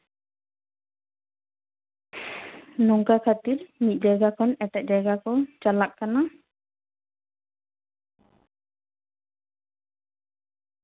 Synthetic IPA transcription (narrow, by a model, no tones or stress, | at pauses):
nɔŋkakʰat̪ilmit̪̚d͡ʒaɡakɔnɛʈɛʔ̚d͡ʒaɡakɔt͡ʃalakkana